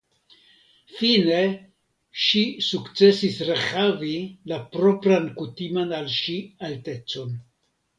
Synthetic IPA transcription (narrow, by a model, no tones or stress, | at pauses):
fine̞ | ʃisukt͡se̞sisɾeχavilapɾo̞pɾankutimanalʃialte̞t͡so̞n